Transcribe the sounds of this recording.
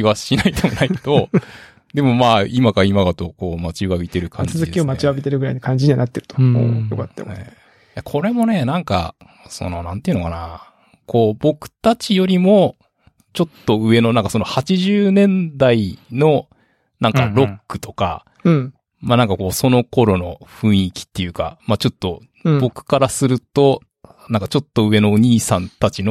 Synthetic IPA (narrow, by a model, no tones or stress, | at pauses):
kʲiβaɕinait̪emonait̪o̞ | d̪e̞mo̞maːimakaimaɡ̪at̪o̞ko̞ːmat͡ɕiβabʲit̪e̞ɾɯ̟kʰãɲɨd͡ʑzɨd̪ekʲiomat͡ɕiβabʲit̪e̞ɾɯ̟ɡɯɾa̰inakãɲ̟d͡ʑiɲ̟iβanat̪ːe̞ɾɯ̟t̪omo̰ːjokat̪ːa̰ḛ | jakʰo̞ɾe̞mo̞ne̞nãŋka̰ | so̞̰no̞nãnt̪e̞iɯ̟no̞kana | ko̞ːbo̞kɯ̟̥t̪at͡ɕijo̞ɾʲimo̞ | t͡ɕo̞t̪ːo̞ɯ̟e̞no̞nãŋkaso̞no̞hat͡ɕiʑɨːnẽ̞nd̪aino̞ | nãŋkaɾo̞kːɯ̟̥t̪o̞̥ka̰ | manãŋkako̞ːso̞no̞ko̞ɾo̞no̞ɸɯ̟̃ɰ̃ikʲi̥t̪ːe̞jɯ̟ːka̰mat͡ɕo̞t̪ːo̞ | bo̞kɯ̟̥kaɾasɨɾɯ̟t̪o̞ | nãŋkat͡ɕo̞t̪ːo̞ɯ̟e̞no̞ːɲ̟iːsãnt̪at͡ɕino